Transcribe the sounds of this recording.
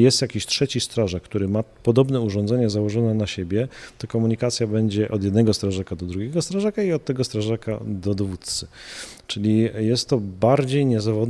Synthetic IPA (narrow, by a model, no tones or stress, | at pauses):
jɛst̪jakʲiɕtʂɛt͡ɕist̪ɾaʐak̚kːt̪uɾɘmapɔd̪ɔbnɛuʐɔ̃nd̪zɛɲɛzawɔʐɔnɛnaɕebʲjɛt̪ɔkɔmuɲikat̪sʲjabɛɲd͡ʑɛʔɔd̪jɛd̪nɛɡɔst̪ɾaʐakad̪ɔd̪ɾuɡʲɛɡɔst̪ɾaʐakaiɔt̪̚ːɛɡɔst̪ɾaʐaka̰d̪ɔd̪ɔvut̪t̪sɘt͡ʂɘlʲijɛst̪ːɔbaɾd͡ʑejɲɛzavɔd̪